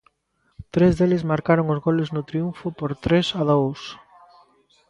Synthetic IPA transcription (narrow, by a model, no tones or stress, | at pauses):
t̪ɾezðelɪzmaɾkaɾoŋʊzɣolɪznʊt̪ɾiuɱfʊpoɾt̪ɾesaðows